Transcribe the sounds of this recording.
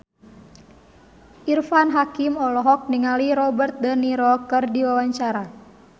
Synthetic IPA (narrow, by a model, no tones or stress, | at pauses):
ʔirfanɦakimɔlɔɦɔk̚niŋaliɾɔbərt̪̚dəniɾɔkɨrdiwawaɲt͡ʃaɾa